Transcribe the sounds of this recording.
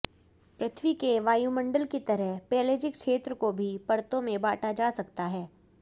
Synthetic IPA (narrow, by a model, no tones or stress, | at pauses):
pɾɐt̪ʰʋikeʋaːjumɐ̃ɳɖəlkit̪ɐɾəɦpɛːleːd͡ʒɪkkʃeːt̪ɾəkobʱipɐɾt̪õmẽbaːʈʰad͡ʒaːsɐkt̪aɦɛː